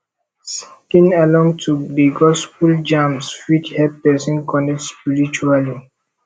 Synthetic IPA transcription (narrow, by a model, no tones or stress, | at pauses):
skĩnalɔ̃ŋtʰubiɡɔspuld͡ʒãmsfit͡ʃhɛpɛsɔ̃nkɔnɛk̚tspiɹit͡ʃuali